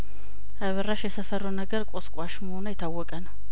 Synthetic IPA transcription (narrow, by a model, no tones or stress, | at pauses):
ʔaβərːaʃjɛsəfəɾːənəɡəɾkʷʼoskʼwaʃməho̞nəjɪt̪ʰːawːɔkʼənəw